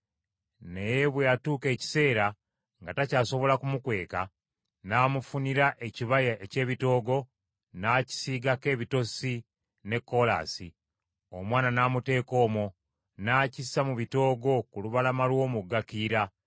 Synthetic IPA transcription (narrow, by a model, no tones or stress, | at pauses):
ne̞jeβwe̞jatuːke̞ːci̥se̞ːɾa | ŋɡatacaːso̞βo̞lakumukwe̞ːka | naːmufuniɾaʔe̞ciβajaʔece̞ːβito̞ːɡo̞ | naːci̥siːɡake̞ːβito̞si | ne̞kːo̞la̰si | omwaːnanaːmute̞ːko̞ːmo | naːcisamuβito̞ːɡo̞kuluβalamalwo̞ːmuɡakiɾa